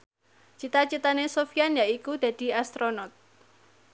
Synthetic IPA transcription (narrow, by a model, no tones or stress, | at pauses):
t͡ʃit̪at͡ʃit̪anesofianjaʔikud̪̥a̤d̪̥i̤ast̪ɾonɔt̪̚